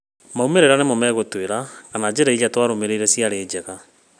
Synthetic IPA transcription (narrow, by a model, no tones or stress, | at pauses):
maumeɾeɾanemomɛːɣotweɾakanad͡ʑeɾaijatwaɾomeɾeiɾɛsiaɾeːd͡ʑɛɣa